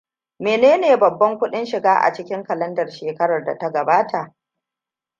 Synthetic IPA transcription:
meː˨neː˦neː˨bɐ˨bːɐ˦ŋkʷʊ˦ɗɪ˦nʃɪ˨ɡaː˦ʔa̰˨t͡ʃɪ˦kʲɪ˦ŋkɐ˨lɐ˦ndɐ˨rʃeː˨kɐ˦ɽɐ˨rda̰˨ta˦ɡɐ˨baː˦tʰa˨ʔ

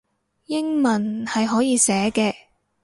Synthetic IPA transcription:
jɪ˥ŋmɐ˨˩nhɐ˨jɦɔː˨˥jiː˨˧sɛː˨˥kɛː˧

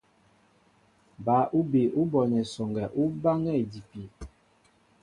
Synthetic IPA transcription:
ba˨˦ʔu˦be˨ʔu˦bɔ˨nɛ˨sɔ˨ŋɡɛ˨ʔu˦ba˦ŋɛ˦˨di˨pi˨

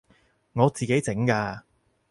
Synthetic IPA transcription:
ŋɔː˨˧t͡siː˨ke˨˥jt͡sɪ˨˥ŋkaː˧

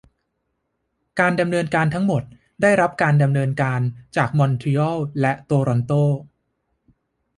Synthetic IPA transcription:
kaː˧nda˧mnɤː˧nkaː˧nt̪ʰa˦˥ŋmo˨˩t̪̚ | daː˥˩jɾa˦˥p̚kaː˧nda˧mnɤː˧nkaː˧nt͡ɕaː˨˩k̚mɔ˧nt̪ʰi˧ɔ˥˩wlɛ˦˥ʔt̪oː˧ɾɔ˧nt̪oː˥˩

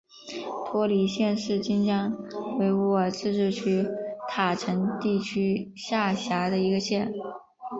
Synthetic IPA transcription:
t̪ʰwɔ˥li˧˥ɕjɛ˥˧nʂɻ̩˥˩t͡ɕi˥nt͡ɕjɑ˥ŋwe˧˥ɪwɔ˥˩t͡sɹ̩˥˧ʈ͡ʂɻ̩˥˩t͡ɕʰy˥t̪ʰa˨˩ʈ͡ʂʰə˧˥ŋt̪i˥˩t͡ɕʰy˥ | ɕja˥˩ɕja˧˥d̪ə˧i˧˥ɡə˧ɕjɛ˥˩n

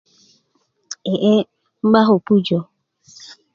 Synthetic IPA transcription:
e˨ʔe˦ | ŋ͡m̩˦ɡ͡ba˦ɦʊ˨pu˦d͡ʒɔ˨

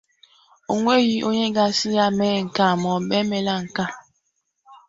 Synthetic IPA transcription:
o˨ŋʷe˦ɣi˦ʔo˦ɲe˦ɡa˦si˦ja˦mɛ˦˨ŋ̩˨ka˦˨mɔ˨be˦me˨˦la˦ŋ̩˨ka˦

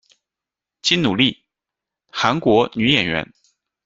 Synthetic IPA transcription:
t͡ɕi˥nnu˨˩li˥˩ | xa˧˥nkwɔ˧˥ny˧˥jɛ˨˩nɥɛ̰˧˥n

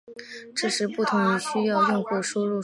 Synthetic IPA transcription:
ʈ͡ʂɤ˥˩ʂɻ̩˧˥pu˥˩t̪ʰʊ˧˥ŋi˧˥ɕy˥jɑ˥˧ʊjʊ˥˧ŋxu˥˩ʂu˥ɻu˥˩

